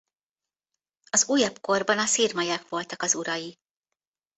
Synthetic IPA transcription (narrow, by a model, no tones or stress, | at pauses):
ɒzuːjɒbko̞rbɒnɒsiːrmɒjɛkʋo̞lt̪ɒkɒzuɾɒji